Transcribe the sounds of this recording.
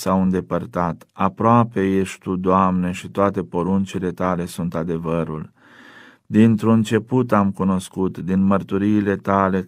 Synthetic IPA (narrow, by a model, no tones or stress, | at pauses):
sawɨnd̪e̞pərt̪at̪apɾoape̞je̞ʃʲt̪ud̪oamne̞ʃit̪oat̪e̞po̞ɾunt͡ʃile̞t̪ale̞sunt̪ad̪e̞vəɾṵl | d̪int̪ɾunt͡ʃe̞put̪amkuno̞skut̪d̪inmərt̪uɾiːle̞t̪ale̞